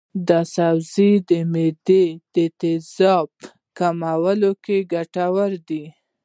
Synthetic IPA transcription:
d̪əsawzid̪əmed̪ed̪̥ət̪ɪzɑb | kamawəlokeɡaʈawəɾd̪i

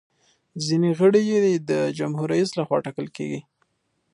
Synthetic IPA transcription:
zineɣəɽijed̪ed̪əd͡ʒamhuɾajuslaxwɑ̰ʈɑkəlkḛɡi

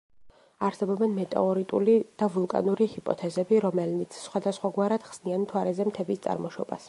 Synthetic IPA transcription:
aɾsɛbɔbɛnmɛt̪ʼa̰ɔɾit̪ʼulid̪̥avulˠkʼa̰nuɾihipʼɔ̰t̪ʰɛzɛbiɾɔmɛlnit̪sʰsχwad̪asχwaɡwaɾad̪̥χsnianmt̪ʰwaɾɛzɛmt̪ʰɛbist̪sʼa̰ɾmɔʃɔ̰ba̰s

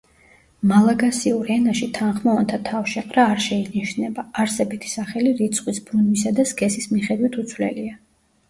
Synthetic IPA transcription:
malˠaɡasiuɾɛnaʃit̪ʰanχmɔɔnt̪ʰat̪ʰafʃɛqʼɾaːɾʃɛiniʃnɛbaːɾsɛbit̪ʰi̥saχɛliɾit̪sʰχʼwisbɾunisad̪askʰʼɛsismiχɛd̪wit̪ʰut̪sʰwlɛ̰lia

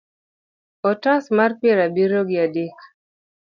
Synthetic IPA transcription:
ɔtãsmarpeɾabiɾoɡjadɪk

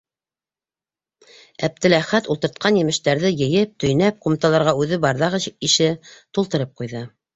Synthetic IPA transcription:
æp̚t̪ɘ̆læχæt̪ulˠt̪ɤ̆ɾt̪̚qʰɑnjɘ̆mɘ̆ʃt̪æɾðɘjɘ̆jɘp̚t̪ɵ̆jnæp̚qumt̪ɑlˠɑɾʁɑʉðɘbɑɾðɑʁɤiʃɘt̪ulˠt̪ɤ̆ɾɤp̚qujðɤ

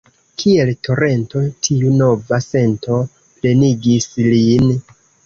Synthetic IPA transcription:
kʰie̞lto̞ɾe̞nto̞tʰiuno̞vase̞nto̞ | ple̞niɡislin

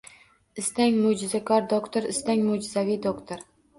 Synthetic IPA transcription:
ɪst̪aŋʲmod͡ʒɪzakʰɒɾd̪okt̪ʰoɾɪst̪aŋʲmod͡ʒɪzavijd̪okt̪ʰoɾ

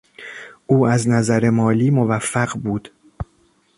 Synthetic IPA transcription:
ʔuːæznæzæɾe̞mɒːliːmovæfːæɢbuːd̪̥

